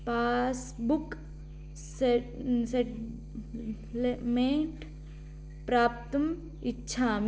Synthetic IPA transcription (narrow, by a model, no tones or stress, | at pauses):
paːs | buk | seseʈ | lemeɳʈ | pɾaːp̚t̪əm | ɪtːʃʰaːm